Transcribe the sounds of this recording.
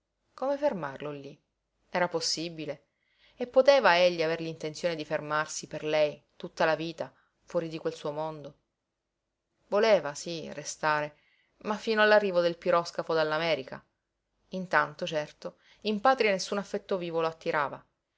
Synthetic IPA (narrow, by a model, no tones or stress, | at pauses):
komefermarlolːi | ɛːɾaposːibile | epːot̪eːvaeʎːiaverlint̪ent̪sjoːned̪ifermarsiperlɛjt̪ut̪ːalaviːt̪a | fwɔːɾid̪ikwelsuːomond̪o | voleːvasirest̪aːɾe | mafːiːnoalːarːiːvod̪elpiɾɔskafod̪alːamɛːɾika̰ | int̪ant̪ot͡ʃɛrt̪o | impaːt̪ɾianesːunafːɛt̪ːoviːvoloat̪ːiɾaːva